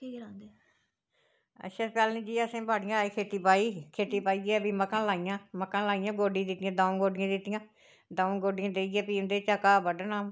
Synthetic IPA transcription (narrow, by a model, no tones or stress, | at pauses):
kiːɡɾãnd̪eː | ə̰tːʃʰaːpɛːlnĩːd͡ʒiːəsẽːbaːɽɪjãːaːiːkʰeːt̪iːpaːiːkʰeːt̪iːpaːiːɡɛːbiːməkãːlaːijãːməkːãːlaːijãːɡoːɖĩːd̪ɪt̪ɪjãːd̪ãːũɡoːɖɪjãːd̪ɪt̪ɪjãː | d̪aːũɡoːɖɪjãːd̪eːiɡɛːpiːmd̪eːt͡ʃəkaːbəɖaːnaːm